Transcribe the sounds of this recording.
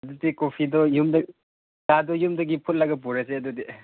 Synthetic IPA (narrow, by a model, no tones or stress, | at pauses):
ɐdudikopʰidɔjumdɐ | dadɔjumdɐɡipʰut̚lɐɡɐp̬uɾaseɐdudi